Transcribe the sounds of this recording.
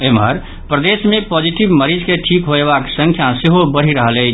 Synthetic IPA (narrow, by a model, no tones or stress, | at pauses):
emə̰ɾ | pɾəd̪esmepod͡ʒiʈibməɾid͡ʒkeʈʰikɦoeβaksə̃ŋkʰjaseɦobəɽ̤iɾəɦəlɛ